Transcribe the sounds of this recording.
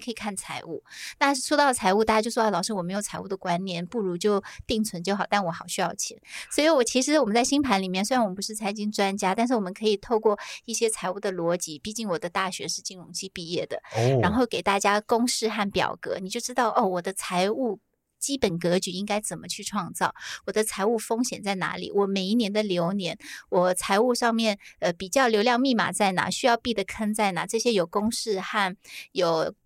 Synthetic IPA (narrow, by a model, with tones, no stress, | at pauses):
kʰɤ˧˥i˨˩kʰa˥˩nt͡sʰa˧˥ɪu˥˩na˥˧˥ʂwo˥t̪ɑ˥˩ət͡sʰa˧˥ɪu˥˧t̪a˥˩ja˥t͡ɕo˥˧ʊʂwlɑ˨˩ʊʂɻ̩˥wɔ˨˩me˧˥ɪjt͡sʰa˧˥ɪu˥˩d̪ə˩kwa˥nnjɛ˧˥npu˥˩ɻu˧˥t͡ɕjo˥˧ʊt̪i˥˩ŋt͡sʰwə˧˥nt͡ɕjo˥˧ʊxɑ˨˩ʊt̪a˥˩nwɔ˧˥xɑ˨˩ʊɕy˥jɑ˥˩ʊt͡ɕʰɛ̰˧˥˦nswɔ˧˥i˧˥wɔ˨˩t͡ɕʰi˧˥ʂ̬ɻ̩˧˥wɔ˨˩mə˦nt͡sa˥˩ɪɕi˥ŋpʰa˧˥nli˨˩mjɛ˥˩nse˥a˧˥nwp̬u˧˥ʂɻ̩˥˩t͡sʰa˧˥nt͡ɕi˥ŋʈ͡ʂwa˥nt͡ɕja˥t̪nʂ̬̩˥˩wɔ˨˩mə˦ŋkʰɤ˧˥i˨˩t̪ʰo˥˧ʊkwɔ˥˧i˥˩ɕjɛ˥t͡sʰa˧˥ɪu˥˩d̪ə˩lwɔ˧˥t͡ɕi˧˥pi˥˧t͡ɕi˥˩nwɔ˨˩d̪ə˦t̪a˥˩ɕɥɛ̰˧˥ʂɻ̩˥˧t͡ɕi˥˩ŋɻʊ˧˥ŋt͡ɕʰi˥pi˥˧jɛ˥˩d̪ə̰˩ɻa˧˥nxo˥˩ʊke˨˩ɪt̪a˥˩t͡ɕja˥kʊ˥ŋʂɻ̩˥˧xa˥˩npjɑ̰˨˩ʊkɤ̰˧˥ni˨˩t͡ɕjo˥˩ʊʈ͡ʂɻ̩˥t̪ɑ˥˩ʊʔo˥˩wɔ˨˩d̪ə˦t͡sʰa˧˥ɪu˥˩ | t͡ɕi˥pə˨˩nk̬ɤ˧˥t͡ɕy˨˩i˥ŋka˥ɪt͡sə˨˩nmə˦t͡ɕʰy˥˧ʈ͡ʂʰwɑ˥˧ŋt͡sɑ˥˩ʊwɔ˨˩d̪ə˦t͡sʰa˧˥ɪu˥˩fɤ˥ŋɕjɛ˨˩nt͡sa˥˩ɪna̰˧˥lḭ˨˩wɔ˨˩me˨˩ɪi˥njɛ˧˥nd̪ə˧˨ljo˧˥ʊnjɛ˧˥nwɔ˨˩t͡sʰa˧˥ɪu˥˧ʂɑ˥˧ŋmjɛ˥˩nə˧pi˨˩t͡ɕjɑ˥˩ʊljo˧˥ljɑ˥˧ŋmi˥˩ma̰˨˩t͡sa˥˩ɪna̰˧˥ɕy˥jɑ˥˧ʊpi˥˩d̪ə˩kʰə˥nt͡sa˥˩ɪna˧˥ʈ͡ʂɤ˥˩ɕjɛ˥jo˨˩ʊkʊ˥ŋʂɻ̩˥˧xa˥˩njo˨˩ʊ